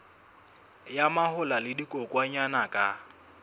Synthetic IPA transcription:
jamahʊlalɪdikʼɔkʼwaɲanakʼa

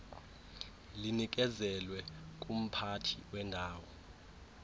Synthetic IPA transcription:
linik̬ʼɛzɛlwɛk̬ʼum̩pʰatʰiwɛndʱaːwɔ

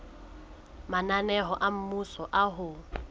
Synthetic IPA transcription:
mananɛɦɔʔam̩musɔʔaɦʊ

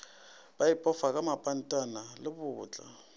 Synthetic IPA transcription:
b̥ajipʼɔfakʼamapʼan̩tʼanalɪbʊːt͡ɬʼa̰

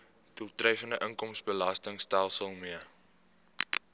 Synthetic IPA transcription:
d̥ulˠtrəjfəndəʔəŋkɔmsbəlɐstəŋstælˠsəlˠmiə

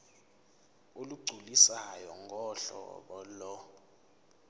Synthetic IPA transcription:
oluɡ͡ǀʱulisajɔŋʱɔɬɔ̰ɓɔlɔ

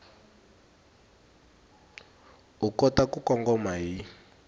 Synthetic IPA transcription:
ukɔtakukɔŋɡɔmaɦi

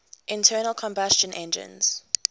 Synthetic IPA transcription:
ʔɪ̃ntʰɜːnəlˠkʰɔ̃mbast͡ʃə̃nʔɛ̃nd͡ʒə̰̃nz̥

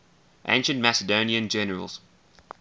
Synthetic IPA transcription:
ʔḛ̃ɪ̃nʃə̃ntmæsədõʊniə̃nd͡ʒɛnəɹə̰lˠz̥

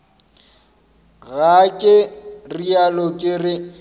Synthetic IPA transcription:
ɣakʼɪrialɔkʼɪrɪ

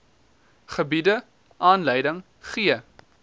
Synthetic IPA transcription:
χəbidə | ʔɑːnləjdəŋ | χiə

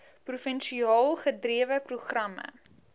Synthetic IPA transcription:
prufənʃiɑːlˠχədriəvəpruχrɐmə̰

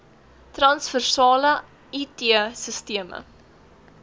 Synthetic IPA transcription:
trɐnsfərsɑːlə | itiəsəstiəmə̰

